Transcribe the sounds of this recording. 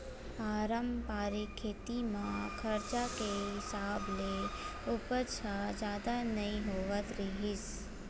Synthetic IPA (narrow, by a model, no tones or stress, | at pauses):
paːɾəmpaːɾikʰːeːt̪imãkʰɐɾt͡ʃakeɦɪsaːbleʊpət͡ʃʰad͡ʒjaːd̪anɐɦĩɦoːʋət̪ɾiɦɪs